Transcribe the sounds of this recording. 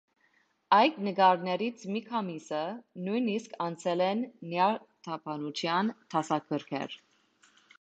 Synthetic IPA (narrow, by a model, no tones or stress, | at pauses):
ɑjd̪nəɡɑɾnɛɾit͡sʰmikʰɑmisənujniskʰɑnt͡sʰɛlɛnːjɑt̪ʰɑpʰɑnut͡ʃʰjɑnt̪ʰɑsɑkʰəɾkʰɛ̰ɾ